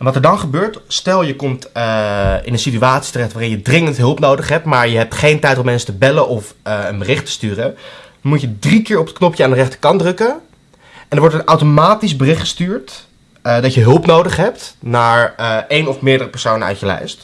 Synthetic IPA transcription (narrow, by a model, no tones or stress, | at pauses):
ɛnʋɑtɛɹdɑnχəbøːɹtstɛlˠjəkɔmt | ɪ̰nənsityaːtsi̥tərɛχtʋaːrɪnjədrɪŋəntɦɵlˠpnowdəχɦɛp̚tmaːɹjəɦɛp̚tχejntɛjtɔmɛnsə̥təbɛlənʔɔfənbərɪχtə̥styːrə | mucjədrikɪːɹɔpət̚knɔpjəaːndərɛχtə̥ɹkɑndrɵkə | ʔɛndəɹʋɔɹtənawtomaːtizbərɪχχə̥styːɹt | dɑcjəɦɵlˠpnowdəχɦɛptnaːɹejnɔfmɪːɹdərəpəɹsownənœ̰ɥtjəlɛ̰jst